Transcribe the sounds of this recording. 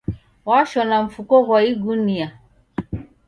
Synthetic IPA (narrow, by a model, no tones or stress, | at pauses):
waʃɔnaɱ̩fukɔɣwaiɡunia